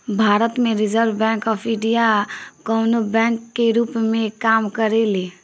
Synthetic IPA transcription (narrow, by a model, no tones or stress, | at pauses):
bʱaːɾət̪mẽɾɪd͡ʒəɾʋbɛ̃ŋkɔpʰɪɖijakənobɛ̃ŋkːeɾuːpmẽkaːmkəɾele